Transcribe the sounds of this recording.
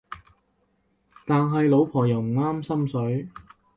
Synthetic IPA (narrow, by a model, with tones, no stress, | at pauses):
t̪aː˨nɦɐ˨jlo˨˧wpʰɔː˨˩jɐ˨wm̩˨˩aː˥msɐ˥msɵ˨˥ɥ